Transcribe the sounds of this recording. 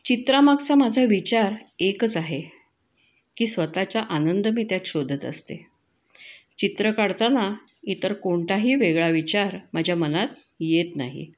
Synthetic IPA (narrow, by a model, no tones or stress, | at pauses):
t͡ɕit̪ɾamaɡt͡samad͡zʱaʋit͡ɕaɾekət͡saɦe | kiːsʋət̪at͡ɕaʔanənd̪əmiːt̪jat̪ɕod̪ʱət̪ə̰st̪ḛ | t͡ɕit̪ɾəkaɽt̪ana | it̪əɾkoɳt̪aɦiːʋeɡɭaʋit͡ɕaɾmad͡ʑʱjamənat̪jet̪naɦḭ